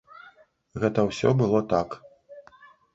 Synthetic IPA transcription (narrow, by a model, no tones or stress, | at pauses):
ɣɛt̪ɐwsʲɔbɨlˠɔt̪ak